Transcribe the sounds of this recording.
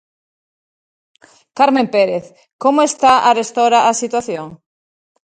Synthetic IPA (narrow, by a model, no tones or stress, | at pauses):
kaɾmẽmpeɾeθ | komoest̪aʔarest̪oɾaʔasit̪waθjoŋ